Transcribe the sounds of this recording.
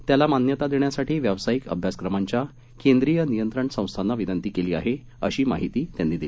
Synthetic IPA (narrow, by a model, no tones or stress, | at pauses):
t̪jalamanjət̪ad̪eɳjasaʈiːʋjaʋsajikə̰bʱjaskɾəmaɲt͡ɕja | kẽnd̪ɾijənijənt̪ɾəɳsə̃w̃st̪ʰanːaʋinənt̪iːkeliːa̰ɦe | əɕiːmaɦit̪iːt̪janːiːd̪ili